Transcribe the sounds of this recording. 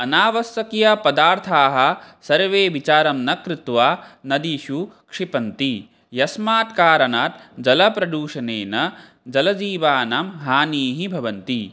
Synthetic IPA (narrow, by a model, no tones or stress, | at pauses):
ɐnaːʋɐsjɐkjɐpɐd̪aːɾt̪ʰaːɦɐ̆sɐɾʋeːʋit͡ʃaːɾɐmnɐkɾit̪ʋaːnɐd̪iʃukʂipɐnt̪i | jɐsmaːt̪kaːɾɐnaːt̪d͡ʒɐlɐpɾɐd̪uːʃɐneːnɐ | d͡ʒɐlɐd͡ʒiːʋaːnamɦaːniːɦibʱɐʋɐnt̪i